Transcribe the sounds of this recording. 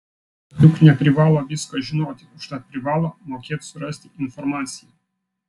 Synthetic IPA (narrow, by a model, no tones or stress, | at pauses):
luknʲat̪ɾivalˠaviskaʒinot̪ʲiku̥ʃt̪at̪̚pɾivalˠamokʲet̪suɾəsʲt̪ʲiinformat̪sije